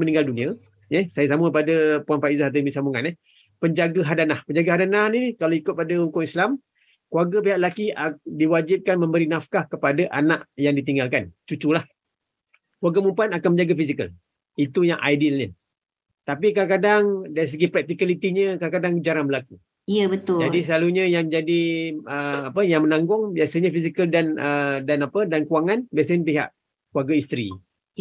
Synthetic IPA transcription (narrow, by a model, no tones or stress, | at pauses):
məniŋɡaldunĩa | jɛhsajasaməpadapuanfaʔizahat̪̬əmisamuŋanɛ | pəɲd͡ʒaɡaɦadanahpəɲd͡ʒaɡaɦadananikalawikʊt̪̚padahukʊŋislam | kuaɡəpiɦaʔlakiadiwad͡ʒip̚kanmə̃mbəɾinafkahkəpadaʔanaʔjaŋdit̪iŋɡalkant͡ʃut͡ʃulah | kuwaɡamumpanakanməɲd͡ʒaɡafisikə̰l | it̪ujaŋʔa̰jdilɲə | t̪apikadakadaŋdaɾis̬əɡipɾɛk̚t̪ikalit̪iɲə̃kadakadaŋkəd͡ʒaɾanbəlaku | ijəbət̪ʊd͡ʒadis̬əlaluɲəjaŋd͡ʒadiəapəjaŋmənãŋɡʊŋbiasəɲəfisikəldanədanapədankuaŋanbias̬əɲəpiɦa̰ʔ | kluaɡaist̪ɾḭ